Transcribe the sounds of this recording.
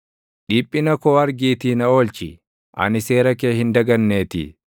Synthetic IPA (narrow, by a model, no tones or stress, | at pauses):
ᶑiːpʼːɪnɐkoːɐɾɡiːt̪iːnɐo̞ːlt͡ʃɪ | ʔɐ̰nɪse̞ːɾɐkeːhɪnd̪ɐɡɐnːe̞ːt̪ɪ̰